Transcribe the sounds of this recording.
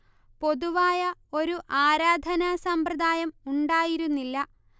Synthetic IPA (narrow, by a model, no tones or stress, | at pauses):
po̞ðuʋaːjɐo̞ɾuʔaːɾaːd̪ʱɐnasɐmprɐd̪ʱaːjɐmuɳɖaːjiɾunːilːɐ